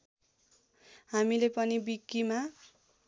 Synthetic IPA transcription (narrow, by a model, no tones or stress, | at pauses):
hamilepʌnibikːima